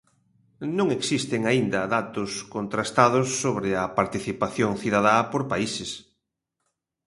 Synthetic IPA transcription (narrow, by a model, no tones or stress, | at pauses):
nõŋeksist̪eŋaind̪ɐðat̪ʊskont̪ɾast̪aðʊsːoβɾɪɐpaɾt̪iθipaθjoŋθiðaðapoɾpaises